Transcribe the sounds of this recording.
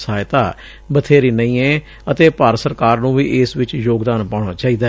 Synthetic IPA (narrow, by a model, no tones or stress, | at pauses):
saːɪt̪aː | bət̪ʰeːɾiːnəĩːɛː | ət̪eːpaːɾsəɾkaːɾnũːʋiːʔɪsʋɪt͡ʃjoːɡd̪aːnpaːɳ̃aːt͡ʃaːiːd̪aː